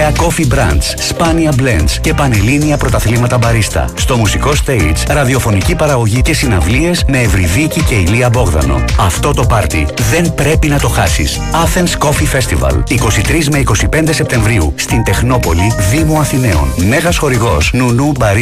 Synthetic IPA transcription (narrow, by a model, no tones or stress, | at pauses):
ɐko̞fibɾɐ̰nd̪sspɐniɐblḛnd̪sce̞pɐneliniɐpɾo̞t̪ɐθlimɐt̪ɐbɐɾist̪ɐ̰st̪o̞musiko̞st̪eit̪sɾɐðio̞fo̞nicipɐɾɐɣo̞ʝice̞sinɐvlie̞zme̞ːvɾiðicice̞iliɐbo̞ɣðɐ̰no̞̰ɐft̪o̞t̪o̞pɐɾt̪ḭðe̞npɾe̞pinɐt̪o̞xɐsḭs | ɐfe̞nsko̞fife̞st̪ivɐ̰liko̞sit̪ɾizme̞iko̞sipe̞nd̪e̞se̞p̚t̪e̞ɱvɾiust̪int̪e̞xno̞po̞liðimuɐθine̞o̞̰nme̞ɣɐsxo̞ɾiɣo̞snunubɐɾ